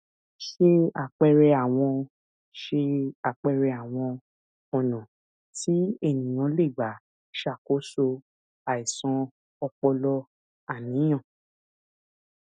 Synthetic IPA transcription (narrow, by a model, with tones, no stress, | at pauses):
ʃe˧a̰˨k͡pɛ˧ɾɛ˧a˨w̃ɔ̃˧ | ʃe˧a˨k͡pɛ˧ɾɛ˧a˨w̃ɔ̃˧ | ɔ˨nɔ̃˨ | ti˨˦e˦˨nĩ˨j̃ɔ̃˨˧˦le˦˨ɡ͡ba˨˦ | ʃa˦˨ko˨˦so˧ | a˨i˨sɔ̃˧ | ɔ˧k͡pɔ˧lɔ˦ | a˦˨nĩ˨˦j̃ɔ̃˦˨